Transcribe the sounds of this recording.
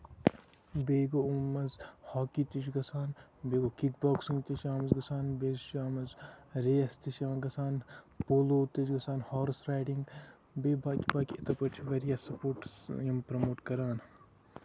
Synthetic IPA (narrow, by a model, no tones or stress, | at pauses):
beːɡoumɐzhɔːkit̪it͡ʃɡɐsaːnbeːɡokikbɔːksiŋɡt̪iʃaːmɐzɡɐsaːnbeːzʃaːmɐzɾeːɐst̪iʃɐmɐɡɐsaːn | poːloːt̪it͡ʃɡɐsaːnhɔːɾsɾaːjɖiŋɡ | beːbaːkibaːkiɐt̪ɐpɐt͡ʃʰiʋɐɾjasɐpoːʈjɐmpɾɐmoːʈkɐɾaːn